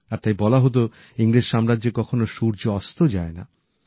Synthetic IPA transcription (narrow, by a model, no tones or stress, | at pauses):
aɾt̪ajbɔlaɦot̪̬o | iŋɾed͡ʑʃamɾadʑekɔkʰonoʃuɾd͡ʑoɔst̪ʰod͡ʑaena̰